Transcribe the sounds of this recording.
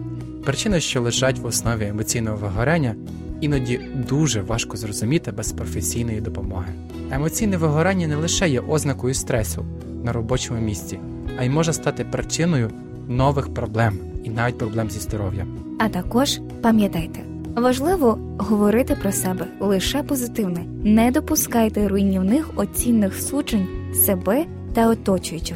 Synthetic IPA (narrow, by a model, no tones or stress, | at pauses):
pɾɪt͡ʃɪnɐʃt͡ʃɔlˠɪʒɑtʲwɔsnɔʋʲiemɔt͡sʲijnɔɦɔʋɪɦɔɾɛnʲːɐ | inɔdʲid̪uʒɛʋɑʃkɔzrɔzʊmʲit̪ɪbɛspɾɔfesʲijnɔjid̪ɔpɔmɔɦɪ | emɔt͡sʲijnɛʋɪɦɔɾɛnʲːɐnɛlˠɪʃɛjɛʔɔznɐkɔjʊst̪ɾɛsʊ | nɐɾɔbɔt͡ʃɔmʊmʲisʲt͡sʲi | ɐjimɔʒɛst̪ɑt̪ɪpɾɪt͡ʃɪnɔjʊ | nɔʋɪxpɾɔblˠɛminɑʋʲit̚ʲpɾɔblˠɛmzʲizd̪ɔɾɔwjɐ̰ | ɐt̪ɐkɔʒ | pɐmʲjɐt̪ɑjt̪e | ʋɐʒlˠɪʋɔ | ɦɔʋɔɾɪt̪ɪpɾɔsɛbɛlˠɪʃɛpɔzɪt̪ɪwnɛ | nɛd̪ɔpʊskɑjt̪ɛɾʊjinʲːiwnɪxɔt͡sʲinːɪxsut͡ʃenʲsebɛ | t̪ɐɔt̪ɔt͡ʃʊjɪt͡ʃʲɪ